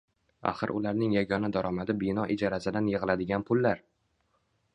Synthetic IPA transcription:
a̰χɨɾʔʊ̰laɾnɪŋjaɡʲɒnad̪aɾɒmad̪ɪbɪnɒʔɪd͡ʒaɾasɪd̪anjɨʁɨlad̪ɪɡʲanpʰʊlːaɾ

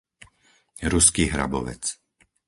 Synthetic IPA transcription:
ɾuskiːɦɾa̰bɔ̰ʋɛ̰t͡s

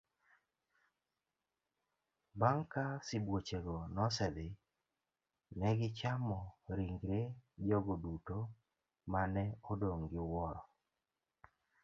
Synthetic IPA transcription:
baŋkasɪbwot͡ʃeɡɔnɔsɛd̪ɪ | nɛɡɪt͡ʃamɔɾiŋɡɾed͡ʒɔɡoduto | manɛodoŋɡɪwɔɾɔ

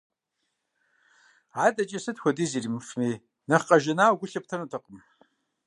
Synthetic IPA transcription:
adʼat͡ʃʼasɨtʰkʷadizirimfmi | nɐχqʼaʒanaːwɡʷʊɬɐp̚tʰɐnutʰaqʼəm

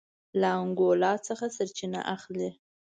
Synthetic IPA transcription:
laaŋɡolɑt͡səxasaɾt͡ʃina̰ʔaxle

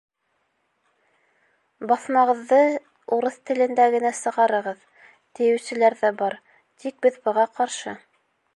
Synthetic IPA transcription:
bɑθmɑʁɤ̆ðːɤ | uɾɤθt̪ɘ̆lɘ̆nd̪æɡɘ̆næsɤ̆ʁɑɾɤ̆ʁɤð | t̪ɘ̆jɘ̆wsɘ̆læɾðæbɑɾ | t̪ʰik̚bɘðbɤ̆ʁɑqɑɾʃɤ

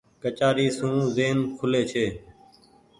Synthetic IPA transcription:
kət͡ʃaːɾiːsũːzeːnkʰʊleːt͡ʃʰeː

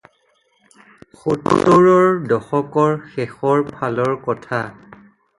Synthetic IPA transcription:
xoto̰toɹɔɹdɔxɔkɔɹxɛxɔɹpʰalɔɹkɔtʰa

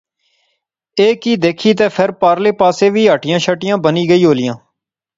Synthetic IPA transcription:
eːkiːd̪eːkʰiːt̪eːpʰɪɾpaːɾleːpaːseːʋiːɦəːʈɪjãːʃəʈɪjãːbəniːɡəiːɦoːlɪjãː

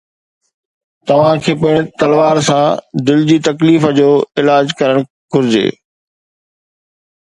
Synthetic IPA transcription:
t̪ɐʋ̤ãkʰeːpʊɪɽ̃t̪ɐlʋaːɾsãd̪ɪld͡ʑiːt̪ɐkliːfəd͡ʑoːɪlaːd͡ʑkɐɾəɽ̃ | ɡ̥ʱʊɾɪd͡ʑḛː

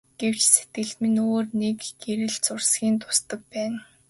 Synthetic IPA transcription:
ɡ̥ew̥t͡ɕset̪̚ɡɘ̆ɮt̪mɘ̆noːrnekɡ̥eɾɘ̆ɮt͡sʊrsɡʲiːnt̪ʊ̥st̪ə̆k̚pæːn

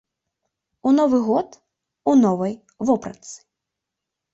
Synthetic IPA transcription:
unɔvɨɣɔt̪ | unɔvɐj | vɔpɾɐ̰t̪sɨ̥

